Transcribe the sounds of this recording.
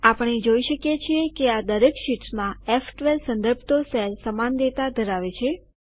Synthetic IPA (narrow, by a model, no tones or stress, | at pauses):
apəɳ̃ed͡ʒoiʃəkjet͡ʃʰiekead̪əɾekʃiʈsmãefʈʋelsə̃nd̪əɾbʱt̪osɛlsəmand̪et̪ad̪ʱəɾaʋet͡ʃʰe